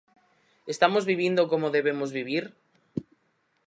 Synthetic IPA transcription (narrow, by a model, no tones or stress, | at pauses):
est̪amozβiβ̞jend̪okomoðe̞β̞e̞mozβiβ̞iɾ